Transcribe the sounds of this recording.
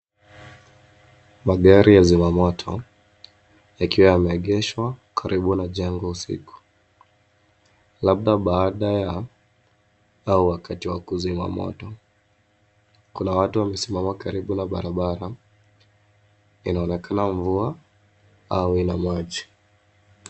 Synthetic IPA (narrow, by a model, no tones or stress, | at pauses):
maɠaɾijazimamɔtʰɔ | jakiwajamɛːɠɛʃwakʰaɾʔiɓunaʄɛŋɡɔusḭku̥ | lab̚ɗaɓaːɗaja | auwakatiwakuzima̰mɔ̰tɔ | kunawatuwamɛsimamakaɾiɓunaɓaɾaɓaɾa | inaɔnɛkanaɱvua | auinamaʄi